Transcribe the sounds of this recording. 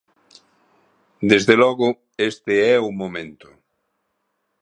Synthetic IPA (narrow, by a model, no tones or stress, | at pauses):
d̪ezðelɔɣʊ | est̪ɪɛumomẽnt̪ʊ̥